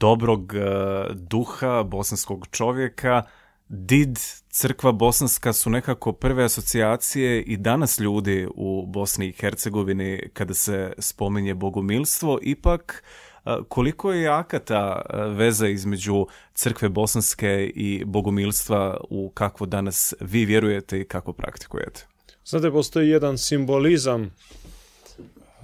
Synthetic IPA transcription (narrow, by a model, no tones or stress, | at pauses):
d̪̥o̞bɾo̞ɡ | d̪uxabo̞sansko̞ɡt͡ʃo̞ʋjekʰa | d̪id̪t̪sɨr̩kʋabo̞sanskasune̞kako̞pr̩ʋe̞aso̞t̪siaːt̪sije̞ʔid̪anasʎuːd̪iubo̞sniːxeɾt̪se̞ɡo̞ʋinikad̪ase̞spo̞miɲe̞bo̞ɡomiːlˠst̪ʋo̞ʔipak | kːʰo̞liko̞jeakat̪aʋe̞zaizme̞d͡ʑut̪sɾr̩kʋe̞bo̞sanske̞ibo̞ɡomiːlˠst̪ʋaukakʋo̞d̪anasʋiːʋje̞ɾuje̞t̪e̞ikakʋo̞pɾʔa̰kt̪i̥kṵjḛt̪ʰe̥ | znaːt̪̬epost̪o̞ijed̪ansimbolizam